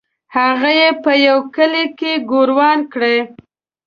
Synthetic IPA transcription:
haɣajepəjawkəlekeɡoɾwɑnkɽe

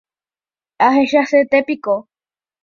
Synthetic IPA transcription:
aɦeʃaset̪epiko

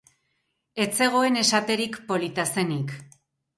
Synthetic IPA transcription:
e̞t͡se̞ɣ̞o̞e̞ne̞sat̪e̞ɾikpo̞lit̪ase̞nik

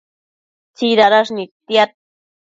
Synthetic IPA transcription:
t͡siɾaɾaʂnikt̪jat̪̚

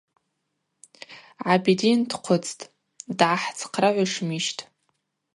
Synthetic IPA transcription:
ʕabidindqʷʰʊt͡sʰʼtʼ | dʕaħt͡sʰqʰraʕʷaʂmiʃtʼ

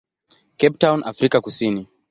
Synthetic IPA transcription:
kɛptawnʔafɾikakusini

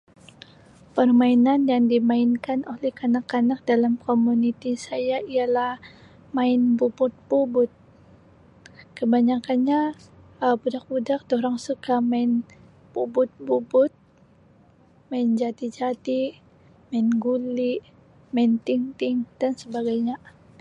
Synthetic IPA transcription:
pərmainanjaŋdimaɪnkanʔolɛhkanakːanak̚dalamkomunit̪isajaialah | maɪnbubʊt̪̚bubʊt̪̚ | kəbaɲakanɲa | əbudak̚budak̚doɾaŋsukamaɪn | pubʊt̪̚bubʊt̪̚ | maɪnd͡ʒat̪id͡ʒat̪i | maɪnɡuliʔ | maɪnt̪ɪŋt̪ɪŋd̥ansəbaɡajɲa

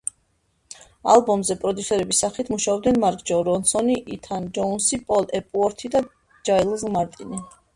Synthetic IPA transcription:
a̰lˠbɔmzɛpʼɾɔd̪jusɛɾɛbisːaχit̪ʰmuʃaɔbd̪nɛnmaɾkʼd͡ʒɔɾɔnsɔniʔit̪ʰand͡ʒɔnsipʼɔlɛpʼuɔɾt̪ʰid̪a | d͡ʒailˠzʁmaɾt̪ʼini

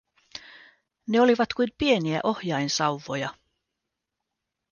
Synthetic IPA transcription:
neo̞liʋɑt̪kujmpie̞niæ̰ʔo̞hjɑinsɑwʋːojɑ

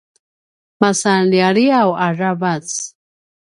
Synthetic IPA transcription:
masanliaɺiawaravat͡s

